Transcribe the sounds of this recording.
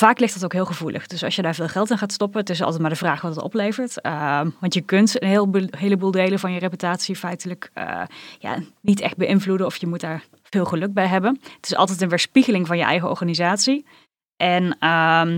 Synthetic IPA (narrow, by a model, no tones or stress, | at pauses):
v̥aːklɪxtd̥ɑtowkɦɪːlˠχəvulʔə̰χd̥ɵsɑ̰sjədaːɹvɪːlˠχɛlˠtɪnχaːtstɔpəntɪsˠtɛtmaɹdəvraːχʋɑttɔ̰plejvəɹtəʋɑntjəkɵntənɦɪlˠbɦeːləbulˠdejləvɑnjərepytaːtsifɛjtələkə̰ja̰nitɛ̰xt̚bəʔɪnvludənɔfjəmutdaːɹ | v̥ɪːlˠχəlɵk̚bɛjɦɛbənətɪsɑ̰lˠtɛt̬ənʋɪːɹspiɣəlɪŋvɑnjəʔɛ̰jɣəɔ̰ɹχaːnizaːtsi | ʔɛnəm